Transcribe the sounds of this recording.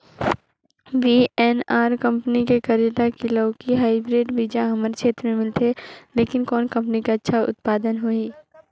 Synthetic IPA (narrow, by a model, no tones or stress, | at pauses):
biɛːnaːɾkɐ̃mpənikekɐɾjəʈ̪akiləkiɦaːɪbɾeːɖbid͡ʒãɦɐməɾt͡ʃʰeːt̪ɾəmẽmɪlt̪ɦeleːkɪnkɔːnkɐ̃mpənikaɐtːʃʰaʔʊ̰t̪̚paːd̪ənɦoiː